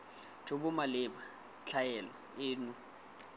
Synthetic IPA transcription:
d͡ʒʱoɓʊmalɪɓa | t͡ɬʰajɛlɔ̰ | eːnu

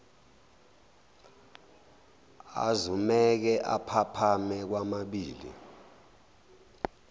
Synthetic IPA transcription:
a̰zumɛk̬ɛʔapʰapʰamɛk̬wamaɓiːlḭ

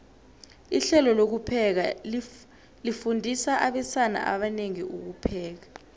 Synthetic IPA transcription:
iɬɛlɔlok̬upʰɛk̬a | lifundʱisaʔaɓɛsana̰ʔa̰ɓaneŋiʔuk̬upʰɛːk̬ḁ

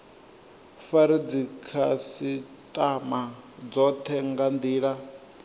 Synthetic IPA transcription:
faɾid͡zikʰasi | tʼamad͡zɔt̪ʰɛŋɡand̪iːɺa

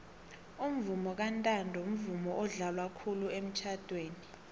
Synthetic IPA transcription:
um̩vumɔk̬antʼandʱɔm̩vumɔʔɔɮalwakʰuluem̩t͡ʃʰad̥ʱweːni

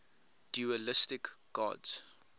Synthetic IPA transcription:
d̥juəlɪstɪkɡ̥ɑ̰dz̥

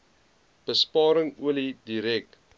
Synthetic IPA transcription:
b̥əspɑːɾəŋuəlidiɾɛk̚

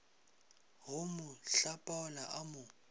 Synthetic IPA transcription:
ɦʊmʊɬapʼaʊlaʔamʊ

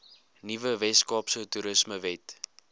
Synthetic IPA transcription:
nivəvɛskɑːpsətuɾəsməvɛt

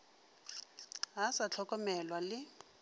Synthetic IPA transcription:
ɦasat͡ɬʰɔkʼɔmɛlwalɪ

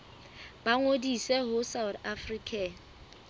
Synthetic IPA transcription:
b̥aŋodisɛɦʊsaʊtafriːkʰʼɛ

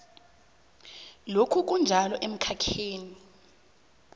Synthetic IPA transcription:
lokʰuk̬ʼund͡ʒʱalɔʔem̩kʰakʰeːni

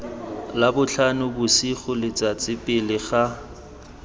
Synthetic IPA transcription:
labʊɬʰanʊbʊsiχʊlɪt͡sat͡sʼɪpʼɪlɪχa

